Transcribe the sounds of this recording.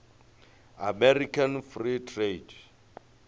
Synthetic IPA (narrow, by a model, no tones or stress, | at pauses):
a̰mɛrikʰanfritʰred